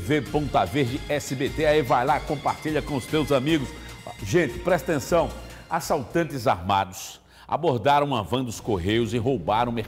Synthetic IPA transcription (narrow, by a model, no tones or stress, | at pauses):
vepõnt̪aveɾd͡ʒɪɛsɪbet̪eaivajlakõmpaɾt͡ʃiʎɐkõʊst̪ewzamiɡʊsʒẽnt͡ʃɪ̥pɾɛst̪ɐt̪ẽsɐ̃w̃ | asawt̪ɐ̃nt͡ʃɪza̰ɾma̰d̪ʊs | a̰boɾd̪aɾɐ̃w̃ɐvɐ̃d̪ʊskoɦejʊzɪɦowbaɾɐ̃w̃me